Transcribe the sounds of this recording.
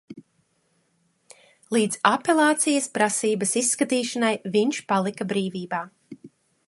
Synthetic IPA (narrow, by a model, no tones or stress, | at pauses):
lˠiːd̪zapelˠaːt̪sijɐspɾasiːbɐsisːkat̪iːʃanajviɲʃpalˠikabɾiːviːbaː